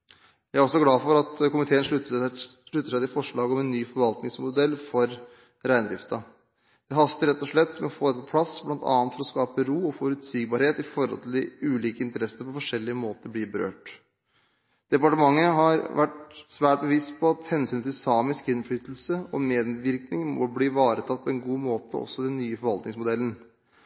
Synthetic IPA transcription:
jææɾɔsɔɡlɑːfɔɾɑt̪kʊmɪt̪ʰeːənʂ | ʂɭʉt̪ːəʂæɪt̪ɪlfɔʂɭɑːɡɔmɛnːyːfɔɾʋɑlt̪nɪŋsmʊd̪ɛlːfɔɾ | ɾæɪnd̪ɾɪft̪ɑ | d̪̥ɛɦɑst̪əɾɛt̪ːɔʂɭɛt̪ːmɛɔfoːpʰlɑsblɑnt̪ɑ̰ːɑnt̪fɔɾɔskɑːpəɾuːɔfɔɾʉt̪siːɡ̚bɑɾheːt̪ɪfɔɾhɔ̰lt̪ʰɪld̪ɪʉːliːkəɪnt̪əɾɛsːənəpɔfɔʂɛlːɪəmoːt̪əɾbliːbəɾø̰ːʈ | d̪̥ɛpɑʈəmɑŋːəɦɑɾʋæʈsʋæːʈ̚bəʋɪst̪pʰɔɑt̪hɛnsyːnt̪ʰɪlsɑːmɪskɪnfɽyːt̪l̩səɔmeːd̪ʋɪɾknɪŋmɔ̰bliːʋɑːɾət̪ʰɑt̪̚ːpʰɔɛnɡuːmoːt̪əɔ̰sːɔd̪ɛnːyːəfɔɾʋɑlt̪nɪ̃ŋsmʊd̪ɛlːən̩

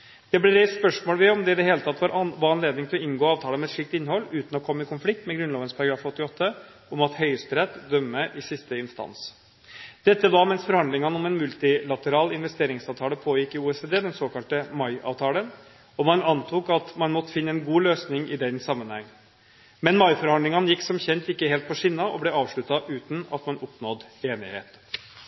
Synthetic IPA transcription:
d̪̥ɛblɛɾɛɪsspœʂmoːlʋɪɔmd̪ɛd̪ɛheːlət̪ʰɑt̪ːʋɑːɾʋɑːɑnleːd̪nɪŋt̪ʰɪlɔɪnɡoːɑːʋt̪ʰɑːlənmɛt̪ʂiːk̚t̪ɪnːhɔlːʉːt̪n̩ɔkʰɔmːəɪkʊnflɪk̚t̪mɛɡɾʉnlɑːʋənspʰɑɾɑɡɾɑːfɔt̪ːɪɔt̪ʰːə | ɔmɑt̪hœʏəst̪ɾɛt̪ːd̪œmːəʔɪsɪst̪əɪnst̪ɑ̰ns | d̪̥ɛt̪ːəd̪ɑːmɛnsfɔɾhɑnd̪lɪŋɑnɔmɛnmʉlt̪ɪlɑt̪əɾɑːlɪnʋɛst̪eːɾɪŋsɑːʋt̪ʰɑːləpʰoːjɪkːɪuːɛsed̪eːd̪ɛnsoːkɑlt̪əmɑɪɑ̰ːʋt̪ʰɑːlən | ɔmɑnɑnt̪ʰuːkɑt̪mɑnmɔt̪ːəfɪnːəɛnɡuːløːsnɪŋʔɪd̪ɛnsɑmːənhɛŋː | mɛnmɑɪfɔɾɑnd̪lɪŋɑnjɪkːsɔmçɛnt̪ɪkːəheːlt̪pʰɔʂɪnːɑʔɔblɛɑːʋʂɭʉt̪ːɑʔʉːt̪n̩ɑ̰t̪mɑnɔpnɔd̪eːnɪ̰hḛːt̪

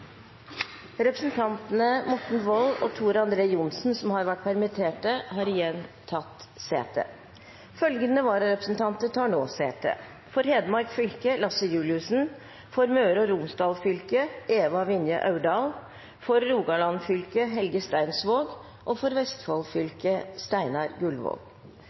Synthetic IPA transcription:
ɾɛpɾəsnt̪ʰɑnt̪ənəmɔʈɳ̩ʋɔlɔt̪ʰuːɾɑnd̪ɾeːjʊnsn̩sɔmhɑɾʋæʈ̚ːpʰæɾmɪt̪ʰeːʈəɦɑːɾɪjɛnt̪ʰɑt̪sḛːt̪ʰə̰ | fœlɡənəʋɑːɾɾɛpɾəsn̩t̪ʰɑnt̪ət̪ʰɑːɳoːseːt̪ʰə̰ | fɔɾɦeːd̪əmɑɾkfʏlkəlɑsəjʉːlɪʉsn̩ | fɔɾmøːɾɔɾʊmsd̪ɑːlfʏlkəeːʋɑʋɪnjə̰ʔɑʉɖɑːl | fɔɾːuːɡɑlɑnfʏlkəɦɛlɡəst̪æɪnsʋoːɡ | ʔɔfɔɾʋɛst̪fɑlfʏlkəst̪æɪnɑɾɡʉlʋo̰ːɡ̥

